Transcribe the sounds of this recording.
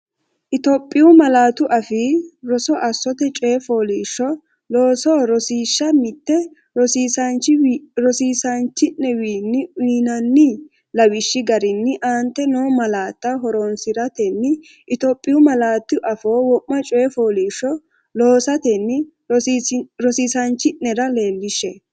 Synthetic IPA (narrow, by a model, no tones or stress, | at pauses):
ʔɪt̪oːpʼːɪʊmɐlaːt̪ʊʔɐfiɾɔsɔʔɐsːɔt̪ɛt͡ʃʼeːfoːliːʃːɔ | loːsoːɾɔsiːʃːɐmɪt̪ːɛ | ɾɔsiːsɐnt͡ʃɪɾɔsiːsɐnt͡ʃːɪnːɛwiːnːɪiːnɐnːɪ | lɐwɪʃːɪɡɐɾɪnːɪʔaːnt̪ːɛnoːmɐlaːt̪ːɐɦɔɾoːnsɪɾɐt̪ɛnːɪ | ʔɪt̪oːpʼːɪjʊmɐlaːt̪ːɪʔɐfo̞ːwɔʔmːɐt͡ʃʼeːfoːliːʃːɔ | loːsɐt̪ɛnːɪ | ɾɔsiːsɐnt͡ʃːɪnnɛɾɐle̞ːlːɪʃːɛ